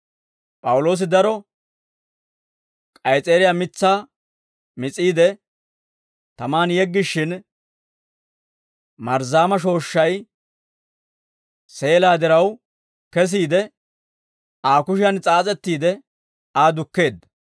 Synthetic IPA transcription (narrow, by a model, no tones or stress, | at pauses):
pʼɐwʊlo̞ːs̬ɪd̪ɐɾɔ | kʼɐjt͡sʼeːɾɪjamɪt͡sːaː | mɪt͡sʼːiːd̪ɛ | t̪ɐmaːnjɛɡːɪʃːɪn | mɐɾzaːmɐʃ̬o̞ːʃːɐj | se̞ːlaːd̪ɪɾɐw | kɛs̬iːd̪ɛ | aːkʊʃɪjɐnt͡sʼaːt͡sʼɛt̪ːiːd̪ɛ | aːd̪ʊkːe̞ːd̪ɐ